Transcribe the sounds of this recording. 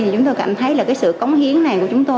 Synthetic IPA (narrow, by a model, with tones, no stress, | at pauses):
t͡ɕʊ˨˦ŋ͡mt̪o˧jka˧˩ŋt̪ʰə˨˦jlaː˨˩kaː˨˦jsɨ̰˧˨kə˨˦wŋ͡mhi˨˦əŋna˨˩jku˧˩ət͡ɕʊ˨˦ŋ͡mt̪o˧